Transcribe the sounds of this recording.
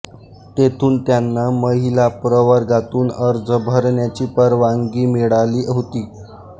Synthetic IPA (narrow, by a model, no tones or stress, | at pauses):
t̪et̪ʰuːnt̪janːaməɦilapɾəʋəɾɡat̪uːnəɾd͡zəbʱəɾɳjat͡ɕiːpəɾʋaŋɡiːmiɽaliːɦot̪iː